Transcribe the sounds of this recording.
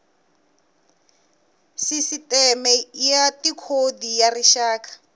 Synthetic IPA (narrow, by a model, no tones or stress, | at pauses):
sisitɛmɛjatikʰodijariʃaːkʼḁ